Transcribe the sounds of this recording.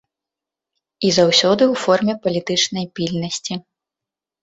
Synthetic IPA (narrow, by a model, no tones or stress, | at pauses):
izawsʲɔd̪ɨwfɔrmʲɛpɐlʲit̪ɨt͡ʂnɐjpʲilʲnɐsʲt͡sʲi